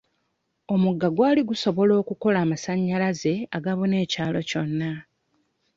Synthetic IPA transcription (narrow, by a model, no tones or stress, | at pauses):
o̞muɡːaɡwaːliɡuso̞βo̞lo̞ːkuko̞laːmasaɲːalaze̞aɡaβune̞ːcaːlo̞co̞nːa